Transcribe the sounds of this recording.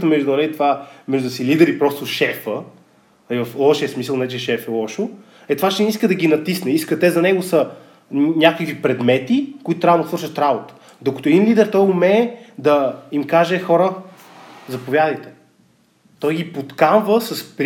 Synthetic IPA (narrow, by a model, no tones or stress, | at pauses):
t̪əmɛʒd̪uɐlɛit̪vamɛʒd̪ʊsilid̪ɛɾipɾɔst̪ʊʃɛfə | ɐivɐflˠɔʃiəsmisəlˠnɛt͡ʃɛʃɛfɛlˠɔʃo | ɛt̪ovaʃɛniskəd̪ɐɡʲinɐt̪isnɛiskət̪ɛzɐnɛɡʊsə | nʲakəkvipɾɛd̪mɛt̪ikoʊit̪ʊt̪ɾavnosvɤɾʃət̪ɾabot̪ə̥ | d̪okət̪oɛd̪inlid̪ɛɾt̪ɔjʊmɛːd̪ɐimkaʒɛxɔɾə | zɐpovjad̪əjt̪ɛ̥ | t̪ɔjɡipot̪kanvəsɐsp